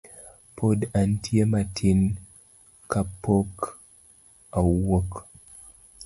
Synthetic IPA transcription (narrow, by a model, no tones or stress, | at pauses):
pʰodantʰiematʰin | kapːok | awok